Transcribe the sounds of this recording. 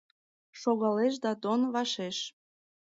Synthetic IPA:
ʃoɣɑleʃ̬d̪ɑt̪onβɑʃeʃ

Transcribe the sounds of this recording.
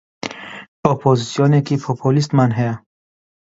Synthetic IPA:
ɔpʰɔzisijɔnekʰipʰɔpʰolis̬t̪manɦea

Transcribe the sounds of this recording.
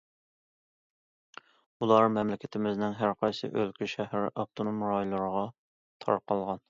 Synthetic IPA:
ulˠɑɾmɛmlɪkʲʰɪt̪ʰɪmɪznɪŋɦæɾqʰɑjsɨ̰ʔølkʲyʃæhɾʔɑp̚t̪ʰonomɾɑjlˠɨɾəʁɑ | t̪ʰɑ̰ɾqʰɑlˠʁɑn

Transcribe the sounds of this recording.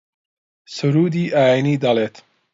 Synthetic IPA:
suɾuːd̪iʔaːinid̪alet̪

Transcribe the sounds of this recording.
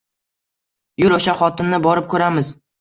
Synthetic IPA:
jʊɾɵʃaχɒt̪ɪnːɪbɒɾɪp̚kʰɵɾamɪz

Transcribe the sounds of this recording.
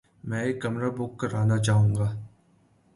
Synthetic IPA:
mɛ̃ːekːɐmɾabʊkːɐɾaːnat͡ʃaːɦũːŋɡaː

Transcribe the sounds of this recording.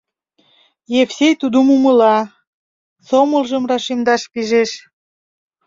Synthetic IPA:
jefsʲejt̪ud̪umuməlɑ | somə̆lʒəmrɑʃimd̪ɑʃpiʒeʃ

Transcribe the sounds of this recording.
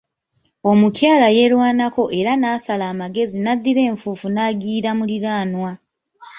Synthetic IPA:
o̞mucjaːlaje̞lwaːnako̞ʔe̞ɾanaːsalaːmaɡe̞zinadːiɾe̞ːɱfuːfunaːɡiːɾamuliɾaːnwa

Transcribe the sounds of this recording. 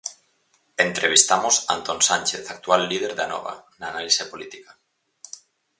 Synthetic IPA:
ent̪ɾeβ̞ist̪amosa̰nt̪onsanʲt͡ʃeθak̚t̪ualːið̞eɾðanɔ̰β̞a̰naːnalisepolit̪ika

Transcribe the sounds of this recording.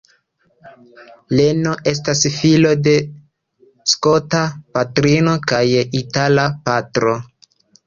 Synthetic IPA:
le̞no̞ʔe̞s̬tasfilo̞de̞ | sko̞tapatɾino̞kajitalapatɾo̞

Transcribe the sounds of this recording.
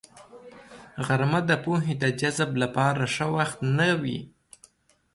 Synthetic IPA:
ɣaɾmad̪əpoɦed̪əd͡ʒazblapɑɾaʂəwaxt̪nawḭ

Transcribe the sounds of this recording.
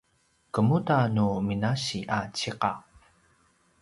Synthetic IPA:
kəmutanuminaɕiʔat͡ɕiqa

